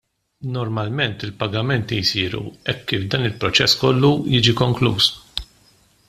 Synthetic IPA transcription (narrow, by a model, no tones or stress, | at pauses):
nɔɾmɐlmɛnt̪ɪlpɐɡɐmɛnt̪ijsiːɾṵɛkːiːfd̪ɐːnɪlpɾɔt͡ʃɛsːkɔlːujiːd͡ʒikɔŋklṵːs